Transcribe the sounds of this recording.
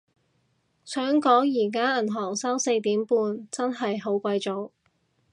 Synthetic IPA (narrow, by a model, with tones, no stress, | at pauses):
sœː˨˥ŋkɔː˨˥ŋjiː˨˩k̬aː˥ɐ˨˩nɦɔː˨˩ŋsaː˥wse˧jt̪iː˨˥mpuː˧nt͡sɐ˥nɦɐ˨jɦo˨˥wkʷɐ˧jt͡so˨˥w